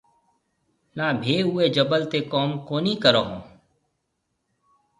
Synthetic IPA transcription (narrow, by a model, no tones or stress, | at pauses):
nabʱeːɦued͡ʒɐbəlt̪ekɔːmkoːnikəɾoːɦõ̰ː